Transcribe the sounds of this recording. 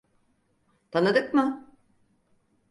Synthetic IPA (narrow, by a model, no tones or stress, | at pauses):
t̪ʰanɯd̪ɯkmɯ